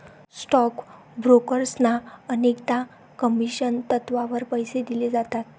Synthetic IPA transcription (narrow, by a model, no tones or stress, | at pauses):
sʈɔk | bɾokəɾsnaənekt̪a | kəmiɕənt̪ət̪ʋaʋəɾpəjsed̪iled͡zat̪at̪̚